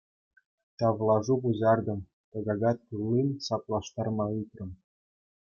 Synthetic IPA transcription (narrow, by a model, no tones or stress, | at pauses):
t̪ɑvlˠɑʐubuzɑrd̪ɤ̆m | t̪ɤ̆ɣɑɣɑt̪̚kulːinsɑplˠɑʃt̪ɑrmɑyt̪rɤ̆m